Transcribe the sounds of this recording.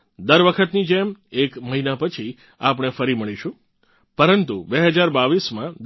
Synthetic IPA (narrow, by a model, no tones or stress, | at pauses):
d̪əɾʋəkʰət̪nid͡ʒemekməɦinapət͡ʃʰi | ap̬ɳ̃efəɾiməɭiʃũ | pəɾənt̪ṵbeɦəd͡ʒaɾbaʋismãd̪